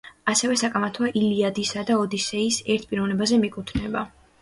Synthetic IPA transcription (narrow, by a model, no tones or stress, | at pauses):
asɛvɛsakʼamat̪ʰwaʔiliad̪isad̪aɔd̪isɛisɛɾt̪̚ʰpʼiɾɔvnɛbazɛmikʼut̪ʰnɛba